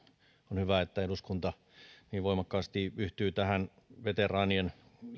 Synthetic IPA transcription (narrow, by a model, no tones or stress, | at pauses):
onhyʋæet̪ːæeduskunt̪ɑ | niːʋʋoimɑkːɑːst̪iyht̪yːt̪æhæn | ʋet̪erɑːnien